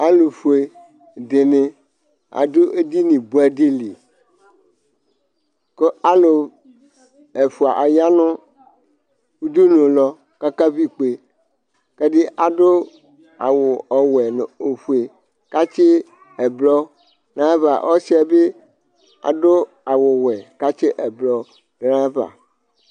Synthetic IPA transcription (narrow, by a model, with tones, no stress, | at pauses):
a˦lo˨fu˨e˨ | de˨ne˨ | a̰˨do˦ʔe˦di˦nĩ˨bu˨˦a˨di˦li˨ | ko˦a˦lo˨ | ɛ˨fu˨a˨ʔa˨ja˦nʊ̃˦ | wu˦du˦nõ˨lɔ˨ | ka˦ka˦vi˦k͡pe˨ | ka˦ɖi˦ʔa˨ɖo˦ | a̰˨wʊ˨ɔ˨wɛ˨ne˨o˨ɸu˨e˨ | ka˦t͡ʃe˦ | ɛ˨blɔ˦ | nã˦va̰˨ʔɔ˦si˦a˨be˦ | a̰˨ɖo˦ | a˨wo˨wɛ˨ka˦t͡ʃe˦ʔɛ˨blɔ˦ | ã˦va̰˨